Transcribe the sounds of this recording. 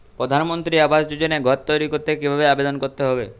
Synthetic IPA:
pɾod̪ʱanmont̪ɾiabasd͡ʒud͡ʒoneɡʱɔt̚t̪ɔjɾikoɾt̪ekibʱabeabed̪ɔnkoɾt̪eɦɔbe

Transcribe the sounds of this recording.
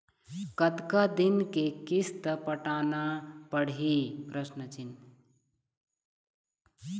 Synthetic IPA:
kət̪kad̪inkekist̪əpəʈanapəɽipɾəsnət͡ʃin

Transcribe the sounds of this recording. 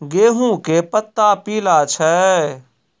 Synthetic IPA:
ɡeːɦũkepət̪ːapiːlat͡ʃʰɛ

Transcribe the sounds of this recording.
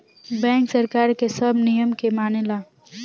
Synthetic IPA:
bɛ̃ːŋksɐɾkaːɾkesɐbnijəmkemaːnelaː

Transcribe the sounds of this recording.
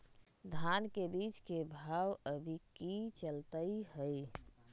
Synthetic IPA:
d̪ʱankebit͡ʃkebʱawəbʱikit͡ʃəlt̪əɪɦəj

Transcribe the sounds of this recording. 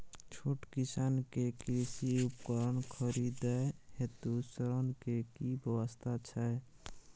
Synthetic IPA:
t͡ʃʰoʈkisankekɾisiupkəɾənkʰəɾid̪ɛɦet̪usəɾənkekibʱjəwəst̪ʰat͡ʃʰɛ

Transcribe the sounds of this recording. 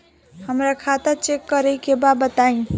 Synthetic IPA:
həmɾakʰat̪ət͡ʃekːəɾəkebabət̪aĩ

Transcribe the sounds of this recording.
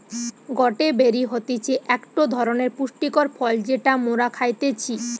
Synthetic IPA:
ɡɔʈebeɾiɦot̪it͡ɕʰeʔɛkʈod̪ʱɔɾoneɾpuʃʈikoɾfʰɔld͡ʑeʈamoɾakʰajt̪et͡ɕʰi

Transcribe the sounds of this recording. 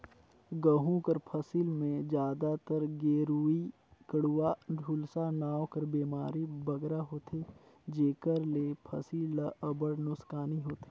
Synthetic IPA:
ɡəɦũkəɾpʰəsiːlmẽd͡ʒjaːd̪at̪əɾɡeːɾuːi | kəɽuaɖʱuːlsanaːwkəɾbeːmaːɾibɐɡɾaɦoːt̪ʰeːd͡ʒeːkəɾleːpʰɐsiːləəbəɽnʊskaːniɦoːt̪e̥

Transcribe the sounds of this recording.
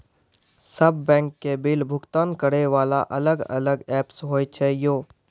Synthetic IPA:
səbːɛ̃ːŋkːebɪlbʱʊɡt̪aːnkəɽeʋaːla̰ʔɐləɡɐ̰ləɡɛːpsɦoːjt͡ʃʰɛjoː

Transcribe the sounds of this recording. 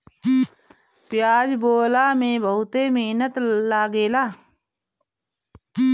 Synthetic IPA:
pjaːd͡ʒboːlamẽbəɦʊt̪emeːnət̪laːɡeːlaː

